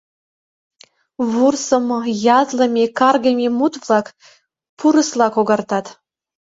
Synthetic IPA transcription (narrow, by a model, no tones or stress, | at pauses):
βursɤ̆mɤjɑzlɤ̆mʲekɑrɡəmʲemut̪vlˠɑk | pʰuɾə̆slˠɑkoɡɑrt̪ɑt̪